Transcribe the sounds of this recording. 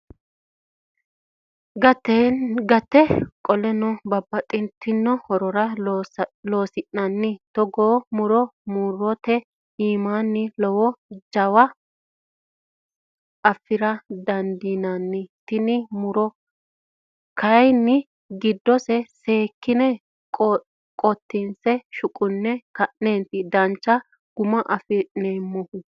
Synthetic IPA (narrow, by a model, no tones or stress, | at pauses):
ɡɐt̪ɛɡɐt̪ːɛkʼɔlɛnɔbɐbːɐt̪ʼɪnt̪ːɪnːɔhɔɾɔɾɐ | lo̞ːsɪnːɐnːɪt̪ɔɡoːmʊɾɔmuːɾɔt̪ɛ | iːmaːnːɪlɔwɔd͡ʒɐwɐ | ɐfːɪɾɐd̪ɐnd̪inɐnːɪt̪ɪnɪmʊɾɔ | kɐjnːɪ | ɡɪd̪ːɔsɛse̞ːkːɪnɛ | kʼ | kʼɔt̪ːinsɛʃʊkʼʊnːɛkɐʔneːnt̪ɪd̪ɐnt͡ʃːɐ | ɡ̥ʊmɐʔɐfɪnemːɔhʊ